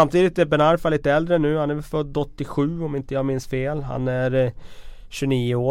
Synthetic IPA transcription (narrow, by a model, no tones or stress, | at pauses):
amt̪ʰiːd̪ɪt̪ɛbɛnaɾfaliːt̪əɛld̪ɾənʉ̟ːhanæɾvɛfœd̪ːɔt̪ːɪɧʉ̟ːɔmɪnt̪əjɑːɡmɪnsfeːlɦa̰næɾ | ɕɵniːəoː